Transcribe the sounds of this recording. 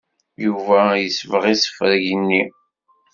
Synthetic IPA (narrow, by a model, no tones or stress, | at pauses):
juvæjəsvəʁisə̥fɾʝənːi